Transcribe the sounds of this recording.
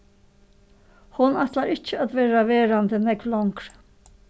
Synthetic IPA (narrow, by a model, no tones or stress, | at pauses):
hʊnat̪laɾɪt͡ʃəad̪ʋeːɾaʋeːɾand̪ənɛɡʋlɔŋkɾ